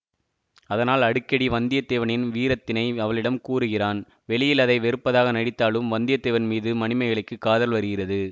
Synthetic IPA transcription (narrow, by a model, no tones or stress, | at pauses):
ɐðɐnaːlɐɽɯkːɛɽiʋɐnd̪ɪjɐt̪ːeːʋɐnɪnʋiːɾɐt̪ːɪnɐɪɐʋɐɭɪɽɐmkuːrɯɣɪraːn | ʋɛɭɪjɪlɐðɐɪʋɛɾɯpːɐðaːɣɐnɐɽɪt̪ːaːɭɯmʋɐnd̪ɪjɐt̪ːeːʋɐnmiːðɯmɐɳɪmɐɪɣɐɭɯkːɯkːaːðɐlʋɐɾɯɣɪrɐðɯ